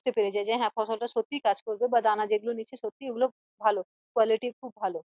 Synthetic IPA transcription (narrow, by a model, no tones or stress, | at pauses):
t̪epeɾed͡ʑaed͡ʑaẽɦɛ̃pʰɔsɔlʈaʃot̪ːikad͡ʑkoɾbebad̪anad͡ʒeɡulonit͡ɕʰeʃot̪ːieɡulo | bʱalo | kuwaliʈikʰubːʱalo